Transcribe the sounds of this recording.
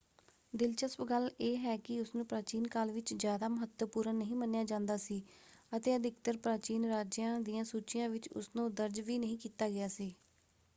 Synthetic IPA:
d̪ɪlt͡ʃəspɡəleːɦɛːkɪʊsnũːpɾaːt͡ʃiːnkaːlʋɪt͡ʃzjaːd̪aːməɦət̪ːəpuːɾənːəɦĩːmənjaːd͡ʒãːnd̪aːsiːət̪eːəd̪ɪk̚t̪əɾpɾaːt͡ʃiːnɾaːd͡ʒjãːd̪ijãːsuːt͡ʃɪjãːʋɪt͡ʃʊ̰snũːd̪əɾd͡ʒʋiːnəɦĩːkiːt̪aːɡɪjaːsiː

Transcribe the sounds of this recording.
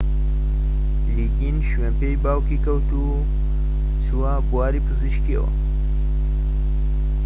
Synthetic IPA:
liɡinʃweːnpejbaːwkikɐwt̪u | t͡suwabuwaːɾiːpʰɨziʃkiɐ̰wɐ̰

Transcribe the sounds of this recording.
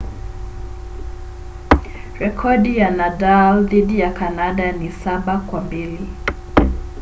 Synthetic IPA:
ɾɛkʰɔɗijanadalðiɗijakanaɗanisaɓakwambili

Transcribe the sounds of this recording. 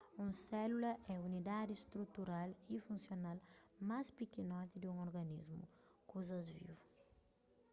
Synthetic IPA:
ũsɛlulɐʔɛunid̪ad̪ist̪ɾut̪uɾalifũnsjonalmaspikinɔt̪id̪ũŋoɾɡɐnizmṵ | kozɐzvḭvu

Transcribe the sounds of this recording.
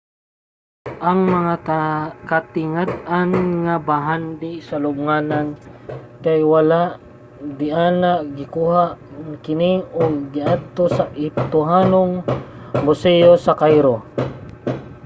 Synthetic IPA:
ʔaŋmɐŋakat̪ɪŋad̪anŋabaɦand̪ɪsalʊb̚ŋanan | kajwalaʔ | d̪ɪʔaːnaɡɪkuːhaʔŋkɪnɪoɡːɪʔad̪̚t̪osaʔɪt̪ʊɦaːnoŋbʊsɛjosakajɾo

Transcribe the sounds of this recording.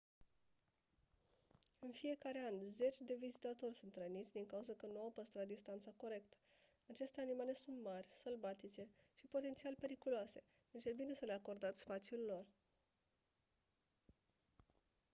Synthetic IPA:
ɨnfije̞kaɾe̞anze̞t͡ʃʲd̪e̞vizit̪at̪o̞rʲsunt̪ɾənit̪sʲd̪iŋkauzəkənuawpəst̪ɾat̪̚d̪ist̪ant̪sako̞ɾe̞kt̪ə̥ | at͡ʃe̞st̪e̞animale̞sunt̪marʲsəlbat̪it͡ʃe̞ʃipo̞t̪e̞nt̪sialpe̞ɾikuloase̞ | ɨnt͡ʃebine̞səle̞ako̞rd̪at̪sʲspat̪sjullo̞r

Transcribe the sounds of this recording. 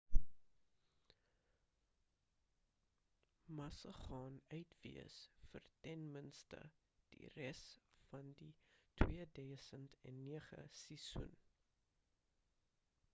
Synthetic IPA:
mɐsəχɑːnœɥtvḭəsfərtɛnmənstə̰ | d̥ḭrɛsfɐnditʰwiədœjsəntɛnːiəχə̰sisṵn

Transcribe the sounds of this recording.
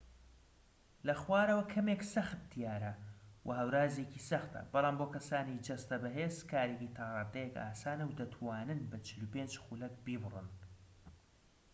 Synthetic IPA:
lɐxwaːɾɐwɐkʰɐmeksɐxt̪̚d̪̥ijaːɾɐwʔɐ̰ɦɐwɾaːzecisɐxt̪ɐ̰b̥ɑlˠaːmboːkɐsaːnid͡ʒɐst̪ɐbɐɦeːzkʰaːɾecit̪ʰɑʁɨd̪ɐjɛka̰ːsaːnɐwd̪ɐt̪ʰwaːnɨnbɐt͡ʃʰɨlupeːnd͡ʒxuːlɐk̚biːbrɨ̰n

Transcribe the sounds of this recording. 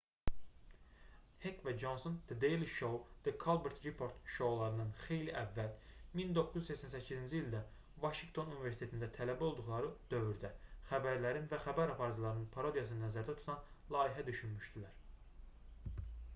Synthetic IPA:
hekvæd͡ʒonsond̪̥ed̪ejliʃowd̪̥ekʰɑlˠbeɾt̪ɾipʰo̞ɾt̪ʃo̞wlˠɑɾɯnɯnxe̞jliʔævːælmind̪okːuzysæcsænsæcʰːizind͡ʒiild̪æ | vɑʃiŋɡt̪ʰo̞nunivesit̪ʰet̪ind̪æt̪ʰælæbio̞lˠd̪uχlˠɑɾɯd̪̥ø̞vyɾd̪æχæbæɾlæɾinvæxæbæɾɑpʰɑɾzlˠɑɾɯnɯnpʰɑɾo̞d̪ijɑsɯnnæzæɾd̪æt̪ʰu̥t̪ʰɑnlˠɑːiɦæd̪yʃynmyʃd̪ilæɾ

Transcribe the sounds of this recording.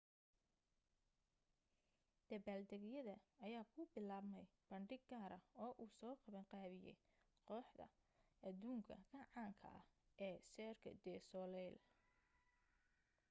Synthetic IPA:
d̪̥ɐβaːld̪ɛɡjɐðɐɐjaːkʰʊbɪlaːbmɛjb̥ɐɳɖɪɡɡaːɾɐɔːʔuːsɔːqɑβɐŋqɑːβɪjɛ̰j | qɔːħd̪ɐ̰ | ʔɐd̪uːŋkʰɐɡʰɐʕaːŋkʰɐ̰ʔɐ̰hʔɛːsɛːrkʰɐ̰d̪ɛːsɔlɛl

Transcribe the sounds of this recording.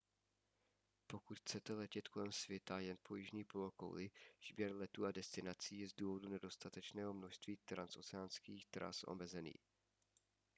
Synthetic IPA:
po̞kut̪xt͡sɛt̪ɛlɛcɛt̪kʰo̞lɛmsvjɛt̪ajɛnpo̞jɪʒɲiːpooko̰wlɪz̥bjɛɾlɛt̪uːadɛst̪ɪnat͡siːjɛzduːvo̞dunɛdo̞st̪at̪ɛt͡ʃnɛːɦo̞mnoʃst̪viːt̪ɾanso̞t͡sɛanskiːxt̪ɾa̰sʔo̰mɛzɛnḭː

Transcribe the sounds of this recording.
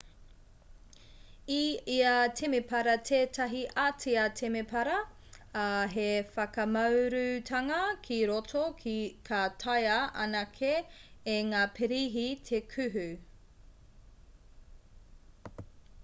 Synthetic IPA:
iiatʰemepɐɾɐtʰeːtʰɐɦiʔatiɐtʰemepʰɐɾɐ | ɦefɐkɐmɐwɾʉtʰɐŋɐkʰiɾotʰokʰatʰɐjɐʔɐ̰nɐkʰeː | ŋaːpʰeɾiɦitʰekʰʉɦʉ

